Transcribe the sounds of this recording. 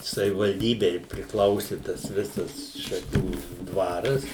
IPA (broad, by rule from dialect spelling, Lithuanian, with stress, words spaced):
sɐʋʲɪʋɐlʲˈdʲiːbʲɛɪ pʲrʲɪkˈlˠɐʊsʲɪ tɐs ˈʋʲɪsɐs ʃɐˈkʲuː ˈdʋɑːrɐs